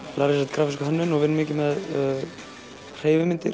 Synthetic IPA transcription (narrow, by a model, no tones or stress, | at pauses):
laːɾɪsɛt̪kʰɾaːfɪskʏɦanːʏnɔɣvɪnːmɪːcɪmɛð | r̥eːjvɪmɪnt̪ɪɾ̥